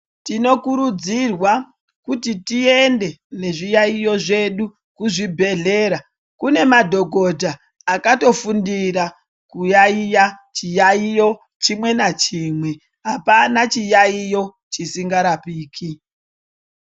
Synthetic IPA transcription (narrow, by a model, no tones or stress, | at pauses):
tino̞kuɾud͡zirwa | kutitie̞nde̞ne̞ʐijaijo̞ʐe̞ɗu | kuʐibʱe̞ɮe̞ɾa | kune̞madʱo̞ɡʱodʱaː | kato̞fundiɾa | kujaijat͡ʃijaijo̞ | t͡ʃimwe̞nat͡ʃiːmwe̞ | ɦapanat͡ʃijaijo̞ | t͡ʃisiŋɡaɾapiːkʰi